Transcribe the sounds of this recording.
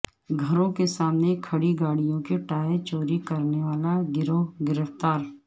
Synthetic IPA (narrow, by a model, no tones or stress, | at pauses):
ɡʱɐɾõkesaːmnekʰɐɽiɡaːɽijõkeʈaːet͡ʃoːɾikɐɾneʋaːlaɡɪɾoɡɪɾəft̪aːɾ